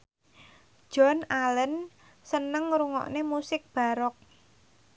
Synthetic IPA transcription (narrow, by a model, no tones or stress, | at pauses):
ʒ̥ɔ̤nalən | sənəŋɾuŋɔ̰ʔnemusɪk̚b̥a̤ɾɔk̚